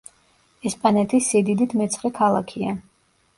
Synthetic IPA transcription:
ɛspʼanɛt̪ʰisid̪id̪it̪ʰmɛt̪sʰχɾɛkʰalˠakʰia

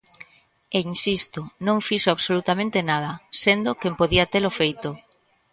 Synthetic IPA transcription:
ensist̪onõŋfiʃoaβsolut̪amẽnt̪enað̞ɐsend̪okempoðiat̪elofejt̪o

